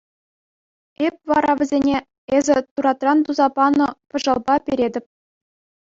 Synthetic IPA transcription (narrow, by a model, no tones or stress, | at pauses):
ep̚ʲʋɑɾɑʋʲɘ̆zʲenʲe | ezʲɘ̆t̪uɾɑt̪rɑnt̪uzɑpɑnɤ̆pɤ̆ʐɑ̆lˠbɑpʲeɾʲedʲɘ̆p̚ʲ